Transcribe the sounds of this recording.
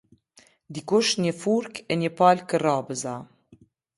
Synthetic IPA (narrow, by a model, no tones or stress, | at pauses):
d̪ikʊʃnəfuɾkɛɲəpaːlkərɑːbəza